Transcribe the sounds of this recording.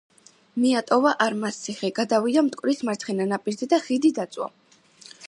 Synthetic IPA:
miat̪ʼɔvaʔaɾmast̪sʰiχɛɡad̪avid̪amt̪ʼkʼwɾismaɾt̪ʰχɛnanapʼiɾzɛd̪aχid̪id̪at̪sʼwa̰

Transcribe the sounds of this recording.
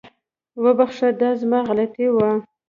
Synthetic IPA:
wəbaxʂad̪ɑzmɑɣalat̪ewa

